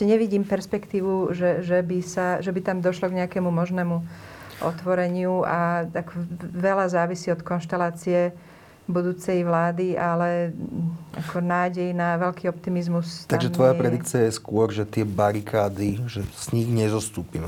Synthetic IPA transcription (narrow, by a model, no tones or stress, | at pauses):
ɛɛɲɛʋiɟiːmpɛɾspɛkt̪iːʋuʒɛʒɛbisaʒɛbit̪amd̪ɔʃlɔɡɲɛakɛmumɔʒnɛːmu | ʔɔ̰t̪ʋɔɾɛɲɪuat̪akɔʋɛlazaːʋisiːɔt̪kɔnʃt̪ɛlaːt͡siɛ | bud̪uːt͡sɛjʋlaːd̪iʔalɛ | akʰɔnaːɟɛjnaʋɛʎkiːɔp̚t̪imizmust̪aɡaɡʒɛʋɔjapɾɛd̪ikt͡siajɛskʊɔɾʒɛt̪ɪɛbaɾikʰaːd̪iʒɛz̥ɲiɣɲɛzɔst̪uːpimɛ